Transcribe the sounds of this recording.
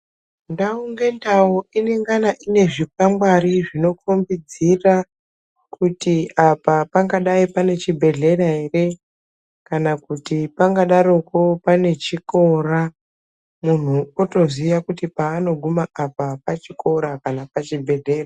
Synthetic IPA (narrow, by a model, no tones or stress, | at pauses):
ndauŋɡe̞ndauineŋɡanaʔine̞ʐip̚aŋɡwaɾiʐino̞kumbid͡zira | kutiapapaŋɡaɗaipane̞t͡ʃibʱe̞ɮe̞ɾaɦe̞re̞ | kanakutipaŋɡaɗaɾokopane̞t͡ʃiko̞ra | mun̤uoto̞ziʋakutipaːno̞ɡʱumaʔapapat͡ʃiko̞ɾakanapat͡ʃibʱe̞ɮe̞ːra